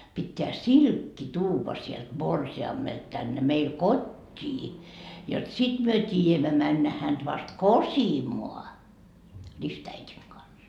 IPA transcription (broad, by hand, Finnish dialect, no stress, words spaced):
pitːeæ silkːi tuːʋɑ sielt morsiɑmːelt tænːe meil kotʲːiː jot sit myø tiːjæmːæ mænːæ hænd̥ ʋɑst kosimoɑ ristæitiŋ kɑns